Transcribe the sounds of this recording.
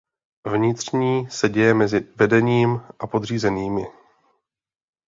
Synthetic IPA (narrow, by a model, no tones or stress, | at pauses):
vɲɪt̪r̝̥ɲiːsɛɟɛjɛmɛzɪvɛdɛɲiːmʔapo̞d̪r̝iːzɛniːmɪ